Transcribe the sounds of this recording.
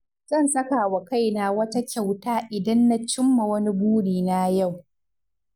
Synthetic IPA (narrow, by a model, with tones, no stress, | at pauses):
zɐ˦˨nsɐ˦ka˨wɐ˨ka˦˨jna˦wɐ˦ta˦kʲa˨wtaː˦ʔɪ˨dɐ˦nːa˦t͡ʃɪ˦mːa˨wɐ˦ni˦buː˦ɽiː˨na˦ja˦˨w